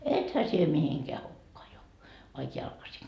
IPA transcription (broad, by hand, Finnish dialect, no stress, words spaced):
ethæ sie mihiŋkeæ hukːɑː jouʋɑ ʋɑik jɑlkɑsiŋ